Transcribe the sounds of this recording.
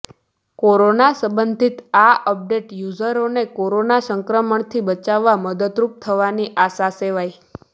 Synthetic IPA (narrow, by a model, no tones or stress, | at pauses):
koɾonasəbənd̪ʱit̪aʔəp̚ɖeʈjuzəɾonekoɾonasəŋkɾəməɳt̪ʰibət͡ʃaʋːaməd̪əd̪ɾup̚t̪ʰəʋaniʔasaseʋaj